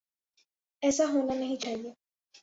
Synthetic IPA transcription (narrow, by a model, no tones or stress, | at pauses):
ɛːsaɦõlanəɦĩt͡ʃʰaɦie